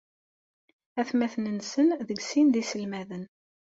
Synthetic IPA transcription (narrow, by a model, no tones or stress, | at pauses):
æθmæθnənsənðəɡsinðisəlmæðən